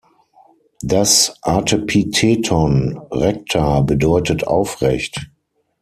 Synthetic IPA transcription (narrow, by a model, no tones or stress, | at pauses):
dasʔatʰəpʰitʰetʰɔnʁɛk̚tʰabədɔʏtətʔa̰ʊfʁɛ̰çt